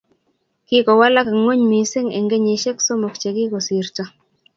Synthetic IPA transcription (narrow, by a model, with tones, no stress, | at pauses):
kɪ˦kɔ˨wa˦la˦ka˨ŋo˦ɲmi˨sɪ˦ŋɛ̰˨ŋɡe˦ɲe˨ʃe˦kso˦mɔ˨kt͡ʃe˨kɪ˦kɔ˨si˨ɾtɔ˦